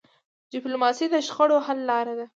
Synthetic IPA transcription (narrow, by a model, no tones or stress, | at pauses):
diplomɑsid̪əʃxəɽohalːɑɾad̪a